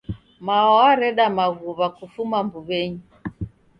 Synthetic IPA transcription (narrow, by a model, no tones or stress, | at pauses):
maɔaɾɛɗamaɣuβakufumambuβɛɲi